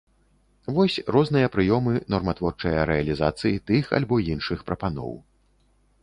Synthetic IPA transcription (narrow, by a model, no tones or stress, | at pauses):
vɔsʲrɔzn̪ɨjɐpɾɨjɔmɨnɔrmɐt̪vɔrt͡ʂɐjɐɾɛɐlʲizat̪sɨjit̪ɨxa̰lʲbɔinʂɨxpɾɐpanɔ̰w